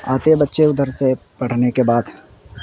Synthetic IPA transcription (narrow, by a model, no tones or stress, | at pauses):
a̰ːt̪ebɐtːʃeʊd̪ʱəɾse | pɐɽ̤nekebaːd̪